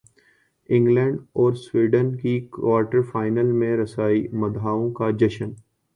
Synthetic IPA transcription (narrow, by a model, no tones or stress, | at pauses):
ɪ̃ŋɡlɛ̃ːɳɖɔːɾswiːɖənkikwaːɾʈəɾfaːɪnəlmẽɾɐsaːimɐd̪ʱaːõkad͡ʒɐʃən